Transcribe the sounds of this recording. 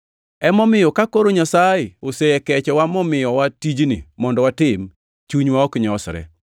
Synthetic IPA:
ɛmɔmɪjɔkakoɾoɲasajɪoseɛkɛt͡ʃɔwamɔmɪjɔwatid͡ʒnḭmɔndɔwatɪm | t͡ʃuɲwaɔkɲɔsɾɛ̰

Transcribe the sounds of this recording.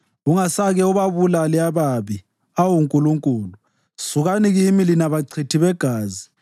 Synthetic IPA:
uŋasaɣɛuβaβulaliaβaβi | awuŋkʼuluŋkʼuːlu | suɣaniɣimilinaβaǀʰitʰiβɛɡ̥ʱaːzi

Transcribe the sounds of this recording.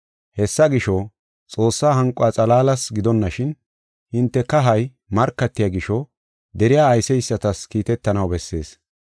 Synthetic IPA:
hɛsːɐɡɪʃɔ | t͡sʼo̞ːsːaːɦɐŋkʼʊat͡sʼɐlaːlɐsɡɪd̪ɔnːɐʃɪn | hɪnt̪ːɛkɐɦɐj | mɐɾkːɐt̪ːɪjaɡɪʃɔ | d̪ɛɾɪjaːjsɛjsːɐt̪ɐskiːt̪ɛt̪ːɐnɐwbɛsːe̞ːs

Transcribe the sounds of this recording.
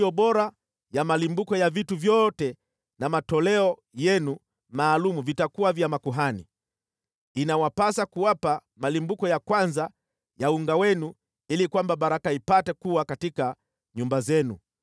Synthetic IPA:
ɔɓɔɾa | jamalimbukɔjavituvjɔtɛ | namatɔlɛɔ | jɛnu | maːlumuvitakuwavjamakuɦanḭ | inawapasakuwapa | malimbukɔjakwanza | jauŋɡawɛnu | ilikwambaɓaɾakaipatɛkuwakatika | ɲumbazɛnṵ

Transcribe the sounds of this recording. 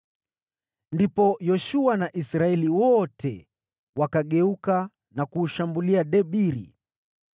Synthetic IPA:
ndipɔjɔʃuanaʔisɾaɛliwɔtʰɛ̰ | wakaɠɛuka | nakuːʃambuliaɗɛɓiɾḭ

